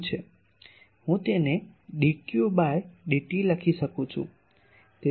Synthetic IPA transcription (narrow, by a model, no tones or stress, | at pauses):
t͡ʃʰe | ɦũt̪eneɗikjubajɖiʈiləkʰiʃəkũt͡ʃʰṵ̃ | t̪e